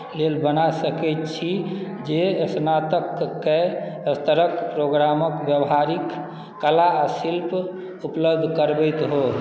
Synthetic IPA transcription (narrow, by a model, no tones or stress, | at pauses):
lelbənasəkɛt̪t͡ʃʰi | d͡ʒeəsnat̪əkːeəst̪əɾəkpɾoɡɾaməkbjəbɦaɾikː | əlaːsilp | upləbd̪ʱkəɾbət̪ɦo